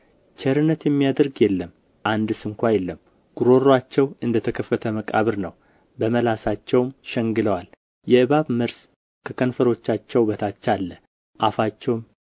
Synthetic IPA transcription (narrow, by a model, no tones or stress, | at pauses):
t͡ʃʰɛɾɨnːət̪jɛmːijad̪əɾɡjɛlːəm | ʔand̪sɨŋkʷajɛlːəm | ɡ̥uɾo̞ɾwat͡ʃːɛwɨnd̪ət̪ʰəkʰəfːət̪ʰəməkʼa̰βɨɾnəw | bəməlasat͡ʃːɛwmʃɛŋɡɨləwal | jɛɨβaβməɾs | kʰəkʰənfəɾo̞t͡ʃːat͡ʃːɛwbət̪ʰat͡ʃːalːə | ʔafat͡ʃːɛwm